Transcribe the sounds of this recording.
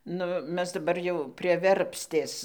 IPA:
ˈnʊ ˈmʲɛs dɐˈbɐr jɛʊ pʲrʲiɛ ˈʋʲɛrʲpʲsʲtʲeːs

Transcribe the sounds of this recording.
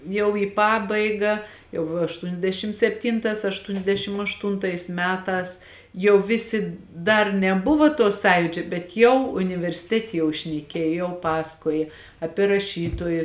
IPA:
jɛʊ iː ˈpɑːbɐɪɡɐ jɛʊ ɐʃtʊnʲɛzʲˈdʲæːʃʲɪm sʲɛpʲˈtʲɪntɑːs ɐʃtʊnʲɛzʲˈdʲæːʃʲɪm ɐʃˈtʊntɐɪs ˈmʲæːtɑːs jɛʊ ˈʋʲɪsʲɪ ˈdɐr nʲɛˈbʊʋoː toː ˈsɑːjuːd͡ʒʲoː bʲɛt ˈjɛʊ ʊnʲɪʋʲɛrʲsʲɪˈtʲæːtʲeː jɛʊ ʃʲnʲɛˈkʲeːj jɛʊ ˈpɑːsɐkoːjɛ ˈɑːpʲiɛ rɐˈʃʲiːtoːjɪ

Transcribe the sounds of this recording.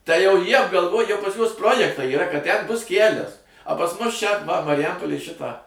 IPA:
tɐɪ jɛʊ ˈjiɛ ɐbɡɐlˠˈʋoːj jɛʊ pɐs juɔs ˈproːjɛktɐɪ iːˈrɐ kɐt tʲɛn ˈbʊs ˈkʲælʲɛs ɐ pɐs ˈmʊs ˈt͡ʃʲɛ ʋɐ mɐrʲɪˈjɛmpoːlʲeːj ˈʃʲɪtɑː

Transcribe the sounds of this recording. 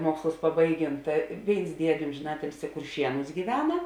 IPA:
ˈmuɔkslˠʊs pɐˈbɐɪˌɡʲeːn ˈtɐ ˈʋʲeːɪns ˈdʲiɛdʲeː ˈoːmʲʒʲeːn ˈɑːtʲɪlʲsʲɪ kʊrʲˈʃʲiɛnʊs ɡʲiːˈʋʲæːnɐ

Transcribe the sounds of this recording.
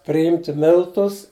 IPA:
pʲrʲɪˈjɪmʲtʲɪ ˈmʲɪlˠtʊs

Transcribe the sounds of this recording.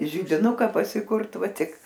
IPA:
ʒʲɪdʲɪˈnʊkɐ pɐsʲɪkʊrt ˈʋɐ ˈtʲɪk

